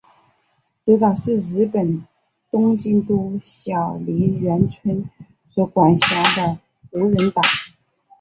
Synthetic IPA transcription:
ʈ͡ʂ̩˥˩t̪ɑ˨˩ʂɻ̩˥˩ɻ̩˧˥pə˨˩n | t̪ʊ˥ŋt͡ɕi˥˧nt̪u˥˩ɕjɑ˨˩ʊli˧˥ɥɛ˧˥nt͡sʰwə˥n | swɔ˧˥kwa˨˩nɕjɑ˧˥ŋd̪ə˧ | xɤ˧˥ɻə˧˥nt̪ɑ˨˩˦ŋ

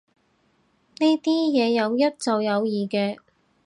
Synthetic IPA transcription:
ne˥t̪iː˥jɛː˨˧jɐ˨˧wjɐ˥t̚t͡sɐ˨wjɐ˨˧wjiː˨kɛː˧

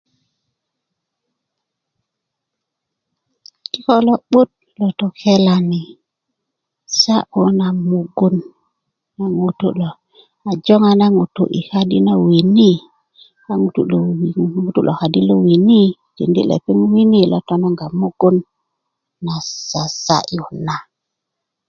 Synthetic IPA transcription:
ki˦ko˦lo˦ɓu˦t̚ | lo˨to˨ke˦la˨ni˨ | sa˦ʔo˦na˨mu˨ɡu˦n | a˨ŋu˨tṵ˦lo˨ | a˨d͡ʒo˦ŋa˦˨na˦ŋu˨tṵ˨ʔḭ˨ha˦di˦na˦wi˨ni˦ | a˦ŋu˨tṵ˦˨lo˨ŋu˦tu˦lo˨ha˨di˦lo˦wi˨ni˦ | ti˨ndi˦lḛ˨pi˦ŋwi˦ni˦˨lo̰˨to˦no˦ŋɡa˨mu˦ɡ̥u˦nː | a˨sa˨sa̰˦ʔu˨na˨

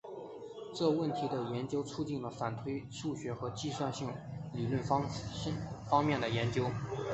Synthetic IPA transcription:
ʈ͡ʂɤ˥˧wə˥˩nt̪ʰi˧˥d̪ə˧jɛ˧˥nt͡ɕjo˥ʊt͡sʰu˥t͡ɕi˥˩nlə˩fa˨˩nt̪ʰwe˥ɪʂu˥˩ɕɥɛ˧˥xɤ˧˥t͡ɕi˥˧swa˥˧nɕi˥˩ŋli˨˩lwə˥˩nfɑ˥˩ | fɑ˥ŋmjɛ˥˩nd̪ə˩jɛ˧˥nt͡ɕjo˥ʊ

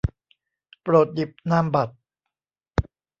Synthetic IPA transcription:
pɾoː˨˩t̪̚ji˨˩p̚naː˧˥˩mba˨˩t̪̚

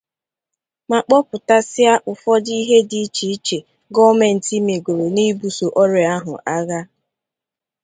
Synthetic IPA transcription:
ma˨k͡pɔ˦pʊ˨ta˦sɪ˦a˦ʔʊ˨fɔ˦di˦ɦe˦di˦t͡ʃi˨i˦t͡ʃe˨ | ɡɔ˦me˨n̩˨ti˦me˨ɡo˨ɾo˨ni˦bu˨so˨ʔɔ˦ɾɪ˨a˦ɦʊ̰˨ʔa˦ɣa˦

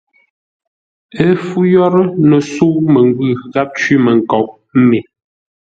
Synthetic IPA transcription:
ə˦fu˦jɔ˦ɾə˦nə˨su˦ʔmə˨ŋ˦ɡʉ˦˨ɣa˦p̚t͡ʃwi˦mə˨ŋ̩˨kɔ˨ʔ | m̩˦me˨

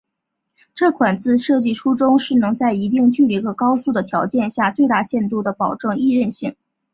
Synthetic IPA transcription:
ʈ͡ʂɤ˥˩kʰwa˨˩nt͡sɹ̩˥˧ʂɤ˥˧t͡ɕi˥˩ʈ͡ʂʰu˥ʈ͡ʂʊ˥ŋʂɻ̩˥˩nɤ˧˥ŋt͡sa˥˩ɪi˧˥t̪̬i˥˩ŋt͡ɕy˥˩li˧˥ɡə˧kɑ˥ʊsu˥˩d̪ə˩t̪ʰjɑ˧˥ʊt͡ɕjɛ˥˧nɕja˥˧t͡swe˥˧ɪt̪a˥˧˩ɕjɛ˥˧nt̪u˥˩d̪ə˩pɑ˨˩ʊʈ͡ʂɤ˥˧ŋi˥˧ɻə˥˧nɕi˥˩ŋ

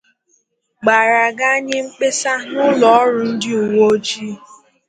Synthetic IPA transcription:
ɡ͡ba˨ɾa˨ɡa˦ɲɪ˦ŋ͡m̩˦k͡pe˦sa˦nʊ˦lɔ˨ɔ˦ɾʊ˨n̩˦dɪ˦u˨wo˦d͡ʒi˦

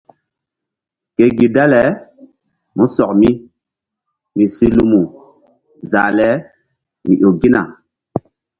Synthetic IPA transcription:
ke˨ɡi˨da˦lɛ˨˦ | mu˦sɔ˨k̚mi˦ | mĩ˨si˦lu˦mu˨ | za̰˨lɛ˨˦ | mḭ˨ʔo˨ɡi˦na̰˨

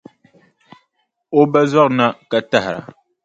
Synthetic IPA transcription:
o˦bə˦zwa˦k̚na˦ka˨ta˦hɾa̰˨

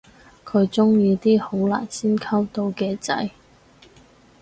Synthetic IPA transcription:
kʰɵ˨˧ɥt͡sʊ˥ŋjiː˧t̪iː˥ho˨˥wla̰ː˨˩nsiː˥nkʰɐ˥wt̪o˧wkɛː˧t͡sɐ̰˧j

